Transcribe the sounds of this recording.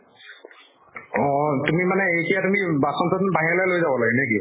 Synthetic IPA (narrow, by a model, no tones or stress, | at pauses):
ɔ̃tumimanɛejkijatumibasɔmsʰɔtnbaɦilojlojzabɔlaɡɛnɛki